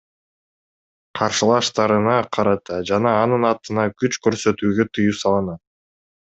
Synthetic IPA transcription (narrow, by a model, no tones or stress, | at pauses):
qʰɑɾʃɯlˠɑʃt̪ɑɾɯnɑqʰɑɾɑt̪ɑd͡ʒɑnɑːnɯnɑt̪ɯnɑkyt͡ʃkø̞ɾsø̞t̪yːɡøt̪ʰɯjusɑlˠɯnɑ